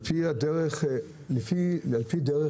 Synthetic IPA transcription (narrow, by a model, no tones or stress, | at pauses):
piadeʁeχ | lefialpid̪eʁe